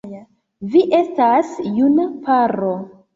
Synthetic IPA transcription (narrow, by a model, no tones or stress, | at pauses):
viʔe̞stasjunapaɾo